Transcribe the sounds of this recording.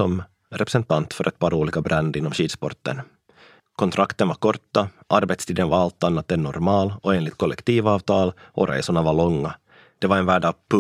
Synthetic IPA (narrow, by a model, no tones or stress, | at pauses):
ɔm | ɾɛpɾɛsɛnt̪ant̪fœɾʔɛt̪̚pʰɑɾuːliːkabɾand̪ɪnːɔmɕiːd̪spɔ̰ɾt̪ːə̰n | kʰɔnt̪ʰɾʔakt̪ənvaɾkʰɔɾt̪ːaʔaɾbɛt̪st̪ʰiːd̪ənvaɾalt̪anːat̪ɛnɔɾmɑːlɔeːnlɪt̪̚kʰɔlːɛkt̪iːvɑːvt̪ʰɑːlʔɔ̰ɾʔɛ̰jsʊɳavaɾɭɔŋːa | d̪̥ɛvaɾɛnvæːɖapʰɵ